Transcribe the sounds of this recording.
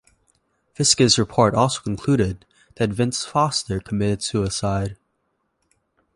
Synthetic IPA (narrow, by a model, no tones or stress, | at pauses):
fɪskɨzɹɨpʰɔɹɾɔlˠsoʊkʰn̩kʰl̥ʉɾɪd̪̚ | ðɨtvɪ̃nsfɑstə˞kʰəmɪɾɨd̥sʉəsaɪd̥̚